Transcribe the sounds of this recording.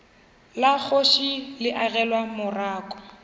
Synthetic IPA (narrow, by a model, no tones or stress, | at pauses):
lak͡xʰoʃilɪʔaɣɛlwamʊraːkʼɔ